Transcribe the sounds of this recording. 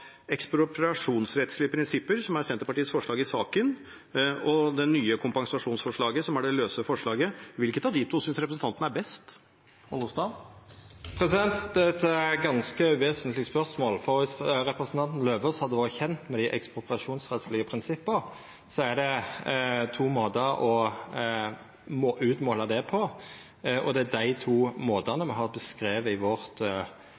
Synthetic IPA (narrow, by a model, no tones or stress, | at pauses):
ɛkspɾʊpɾɑʂuːnsɾɛt̪slɪəpʰɾɪnsɪpːəɾsɔmæɾsɛnt̪əɾpɑʈiːəsfɔʂɭɑːɡɪsɑːkən | ɔd̪ɛnːyːəkʰʊmpɑŋsɑʂuːnsfɔʂɭɑːɡəsɔmæɖɛløːsəfɔʂɭɑːɡəʋɪlkət̪ɑʋd̪ɪt̪ʰuːsʏnsɾɛpɾəsn̩t̪ɑnt̪n̩æɾbɛst̪ | ɔʊst̪ɑ | pʰɾɛsɪd̪ɛnt̪d̪ɛt̪ɡɑnskəʋeːsənt̪lɪəspœʁsmoːlfɔɾʋɪsɾɛpɾəsnt̪ɑnt̪n̩løːʋəshɑd̪ːəʋoːɾəçɛnt̪mɛd̪ɪʔɛ̰kspʊpɾɑʂuːnsʁɛt̪slɪɡəpʰɾɪnsɪpːəʁ | sɔæɖ̪ɛ | t̪ʰuːmoːd̪əɾɔ | moːʔʉːt̪moːlɑd̪ɛpʰɔ | ʔɔd̪ɛæd̪æɪt̪ʰuːmoːd̪ɑnəmɛɦɑʁbəskɾeːʋəɪʋɔʁt̪